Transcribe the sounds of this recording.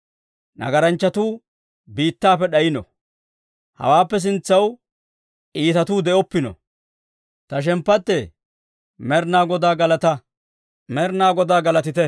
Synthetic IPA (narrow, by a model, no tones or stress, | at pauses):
nɐ̰ɡɐɾɐnt͡ʃːɐt̪uː | biːt̪ːaːpɛɗɐjɪnɔ̰ | hɐ̰waːpːɛs̬ɪnt͡sːɐw | ʔiːt̪ɐt̪uːd̪ɛʔɔpːɪnɔ̰ | t̪ɐʃ̬ɛmpːɐt̪ːɛ | mɛɾnaːɡɔd̪aːɡɐlɐt̪ɐ | mɛɾnaːɡɔd̪aːɡɐlɐt̪ɪt̪ɛ